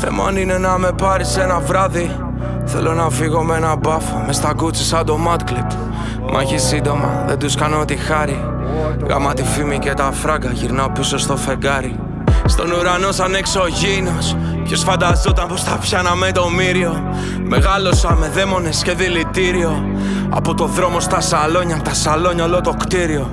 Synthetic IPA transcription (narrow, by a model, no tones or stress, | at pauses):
θe̞̰moanine̞nɐme̞pɐɾise̞nɐvɾɐði | θe̞lo̞nɐfiɣo̞me̞nɐbɐfume̞st̪ɐɡut͡sisɐd̪o̞mɐt̪klet̪ | mʔɐ̰çisind̪o̞mɐ̰ðend̪uskɐnot̪ixɐɾi | ɣɐ̰mɐt̪ifimice̞t̪ɐfɾɐkɐʝiɾnɐopiso̞st̪o̞fe̞ɡɐɾi | st̪o̞nuɾano̞sɐnekseoʝinos | pçosfɐnd̪ɐzot̪ɐnpost̪ɐpçɐnɐmet̪o̞miɾio̞ | me̞ɣɐlo̞sɐme̞ðe̞mo̞ne̞sce̞ðilit̪iɾio̞ | ɐ̰po̞t̪o̞ðɾo̞mo̞st̪ɐsalo̞ɲɐt̪ɐsalo̞ɲɐlot̪o̞kt̪iɾio̞